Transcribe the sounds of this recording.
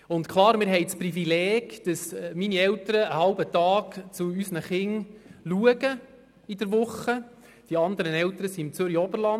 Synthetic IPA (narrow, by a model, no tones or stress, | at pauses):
ʊntkʰlɑːɾmɪːɾɦɛjt͡sprifilɛːɡ̥d̥əsminiɛltəɾəəhɑlbətɑːkt͡suysnəχɪŋluəɡə | id̥əɾʋʊχːə | d̥iɑnd̪əɾənɛlt̪əɾəsiɪmt͡sʏɾiɔbəɾlɑn